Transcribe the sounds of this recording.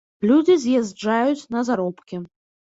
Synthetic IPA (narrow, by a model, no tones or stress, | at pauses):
lʲud͡zʲizʲjazʲd͡ʐajut͡sʲnɐzaɾɔpkʲɛ